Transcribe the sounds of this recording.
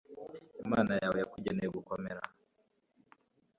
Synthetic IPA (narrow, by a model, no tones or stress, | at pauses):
imaːnajawejakuɟenejoɡukomeɾa̰